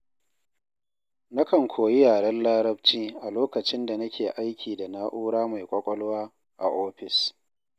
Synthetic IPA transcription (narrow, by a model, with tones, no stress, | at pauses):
na˦kɐ˨ŋkʷʰoː˨ji˦jaː˨ɽɐ˦nlaː˦ɾɐ˦bt͡ʃiː˦ʔa˨loː˦kɐ˨t͡ʃɪ˦nda˨nɐ˦kʲeː˨ʔa˦jkʲʰiː˨da˨naː˦ʔuː˦ɽaː˦ma˨jkʷʼɐ˦kʷʼɔ˦lʊ˦waː˦ | ʔa̰˨ʔoː˦ɸɪ˨s